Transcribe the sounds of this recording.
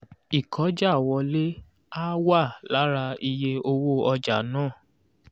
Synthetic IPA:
i˨kʰɔ˨˦d͡ʒa˦˨wɔ˧le˦ | a˦wa˦˨la˨˦ɾa˧i˧je˧o˧wo˦ɔ˧d͡ʒa˨nãː˦˨

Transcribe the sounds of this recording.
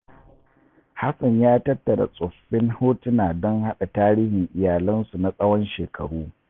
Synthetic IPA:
ha˦sɐ˨ɲjaː˦tɐ˦tːɐ˨ɾa̰˨sʼʊ˨ɸːɪ˦nhoː˦tɪ˦naː˨dɔ˦ŋha˦ɗa˨taː˦ɾiː˦hɪ˨ŋʔɪ˨jaː˨lɐ˦nsu˨na˨sʼɐ˦wɔ˦nʃeː˨kʰɐ˨ɽuː˦

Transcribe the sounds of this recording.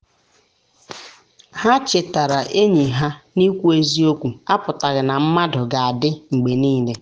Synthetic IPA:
ha˦t͡ʃɪ˨ta˨ɾa˨ʔe˦ɲi˨ɦa˦ni˦kʷu˦e˦zi˦o˦kʷu˨a˦pʊ˨ta˨ɣɪ˨na˨m̩˦ma˦dʊ˨ɡa˨a˨dɪ˦ŋ͡m̩˨ɡ͡be˨niː˦le˨

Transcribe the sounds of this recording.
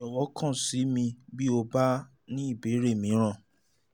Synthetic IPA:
ɔ˨wɔ˨˦kʰã˦˨si˨˦mĩ˧bi˦o˧ba˦ | nĩ˦i˦˨be˨˦ɾe˦˨mĩ˨˧˦ɾ̃ã˦˨

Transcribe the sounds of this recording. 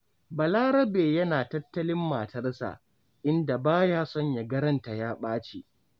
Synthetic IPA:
bɐ˨laː˦ɾɐ˦beː˨jɐ˦naː˨tɐ˦tːɐ˦lɪ˦mːaː˨tɐ˦rsa̰˨ʔ | ʔɪ˦nda˨baː˦jaː˦sɔ˦ɲja˨ɡɐ˦ɾɐ˦nta˨jaː˦ɓaː˦t͡ʃi˨

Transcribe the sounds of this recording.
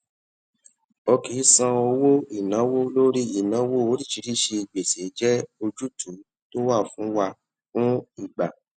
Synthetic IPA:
ɔ˧ki˨˦sã˧o˧wo˦i˦˨nã˨˦wo˦lo˦ɾi˦i˦˨nã˨˦wo˦o˨˦ɾi˦˨t͡ʃi˧ɾi˦˨ʃe˧i˨ɡ͡be˨se˨˦d͡ʒɛ˦o˧d͡ʒu˦tu˨˦ | to˦wa˦˨fũ˨˦wa˧ | fũ˦i˦˨ɡ͡ba˨

